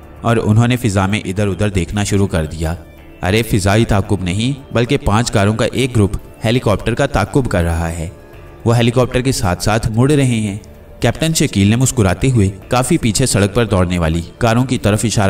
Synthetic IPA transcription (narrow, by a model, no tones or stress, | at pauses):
ɔːɾʊ̰nɦõːnefɪzamẽʔɪd̪əɾʊd̪əɾd̪eːkʰnaʃʊɾukɐɾd̪ijaː | ɐ̰ɾefɪzait̪aːkːʊbnɐɦĩbɐlkepãːt͡ʃkaːɾõkaʔeːk̚ɡɾʊp | hɛːlɪkɔːp̚ʈəɾkat̪aːkːʊbkɐɾːɐɦaɦɛː | ʋoːɦɛːlɪkɔːp̚ʈəɾkesaːt̪ʰsaːt̪ʰmʊɽɾɐɦeɦɛ̃ː | kɛːp̚ʈənʃɐkiːlnemʊskʊɾaːt̪eɦʊekaːfipiːt͡ʃʰesɐɽək̚pɐɾd̪ɔːɽneʋaːlikaːɾõkit̪ɐɾəfɪʃaːɾ